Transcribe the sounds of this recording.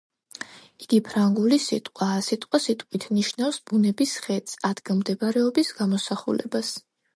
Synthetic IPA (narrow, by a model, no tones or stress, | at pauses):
iɡ̥ipʰɾaŋɡulisit̪ʼqʼwaːsit̪ʼqʼwasit̪ʼqʼwit̪ʰniʃnafsb̥unɛbisχɛt̪sʼad̪ɡamd̪ɛbaɾɛɔbisɡamɔsaχṵlɛ̰bas